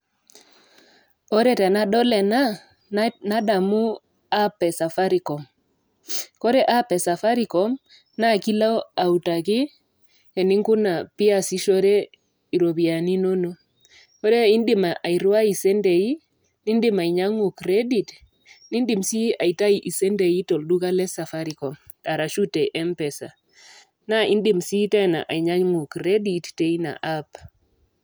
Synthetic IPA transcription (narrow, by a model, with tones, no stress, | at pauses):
ɔ˦ɾe˦tɛ˨na˦dɔ˦lɛ˨na˦ | na˦da˨mu˦ | a˦pɛ˨sa˨fa˦ɾi˨kɔ˨m | kɔ˦ɾe˦ʔa˦pɛ˨sa˨fa˦ɾi˨kɔ˨˦m | na˦˨ki˦la˦a˨u˨ta˨ki˦ | e˨ni˦ŋku˦na˨pi˦a˦˨si˦ʃo˦ɾe˦ | i˨ɾo˨bi˨a˨ni˦no˦no˦ | ɔ˦ɾɛ˦i˦ndɪ˦ma˨ʔa˨i˨ɾwa˦i˨sɛ˦ndɛ˨i˦ | ni˦ndɪ˦ma˨i˨ɲa˦ŋu˨kɾe˦di˨t | ni˦ndi˨msi˦a˨i˨ta˦i˨ʔi˨sɛ˦ndɛ˨i˦tɔ˨ldu˦ka˦lɛ˦sa˨fa˦ɾi˨kɔ˨m | ta˨ɾa˨ʃu˦tɛ˨ʔɛ˦mpɛ˨sa̰˨ | na˦ʔi˦ndɪ˦msi˦tɛ˦˨na̰˨ʔa˨i˨ɲa˦ɲŋu˨kɾe˦di˨tte˦i˦na̰˨ʔa˦p